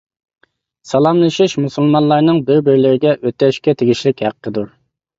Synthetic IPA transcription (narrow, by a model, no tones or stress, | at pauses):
sɑlˠɑmlˠɨʃiʃmusulˠmɑnlˠɑɾnɨŋbɪɾbɪɾlɪɾɪɡʲɛʔøt̪ːɛʃkʲɛt̪ʰeɡʲiʃlɪkʲhæqːəd̪uɾ